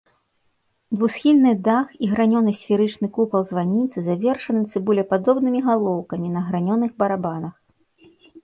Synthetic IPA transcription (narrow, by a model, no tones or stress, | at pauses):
d̪vusxʲilʲnɨd̪axiɣɾanʲɔnɨsʲfʲiɾɨt͡ʂnɨkupɐlˠzvanʲːit̪sɨzavʲɛrʂɐnɨt̪sɨbulʲɛpad̪ɔbnɨmʲiɣalˠɔwkɐmʲinɐɣɾanʲɔnɨɣbɐɾabanɐx